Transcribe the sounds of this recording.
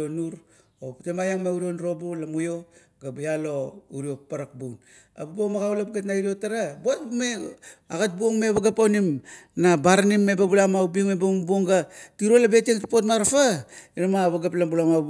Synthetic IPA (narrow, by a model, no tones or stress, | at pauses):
onuɾ | optemajaŋmeuɾionuɾo̞bulamujo | ɡabajalo̞uɾiopaɾak̚buŋ | a̰babomaɡawlapɡetnaiɾiotaɾabuat̚meaɡat̚buoŋme̞βaɡapawnimnabaɾanimːebabulamawbiŋmebambuoŋɡatiɾo̞labe̞teŋtpotmaɾafaiɾamaβaɡaplambulama